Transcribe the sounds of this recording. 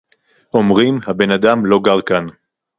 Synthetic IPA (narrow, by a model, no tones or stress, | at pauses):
ʔo̞mʁimhabe̞nad̪amlo̞ɡaʁkan